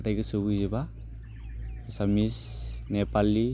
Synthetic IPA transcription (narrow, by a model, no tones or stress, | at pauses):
tajɡɯsubuzeba | samis | nepali